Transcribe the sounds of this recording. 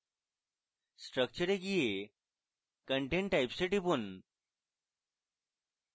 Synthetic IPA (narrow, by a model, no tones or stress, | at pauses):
sʈɾək̚t͡ɕəɾeɡije | kəɳʈẽɳʈːajpseʈipun